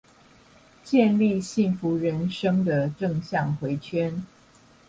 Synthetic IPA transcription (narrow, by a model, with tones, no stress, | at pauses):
t͡ɕjɛ˥˧nli˥˨ɕi˥˩ŋfu˨˦ɻə˨˦˥nʂɤ˥ŋd̪ə˨ʈ͡ʂɤ˥˧ŋɕjɑ˥˨ŋxwe˧˥ɪt͡ɕʰɥɛ˦˥n